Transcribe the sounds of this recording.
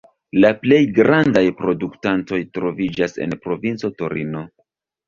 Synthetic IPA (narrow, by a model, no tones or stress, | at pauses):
laple̞jɡɾandajpɾo̞duktanto̞jtɾo̞vid͡ʒase̞̰npɾo̞vint͡so̞to̞ɾino̞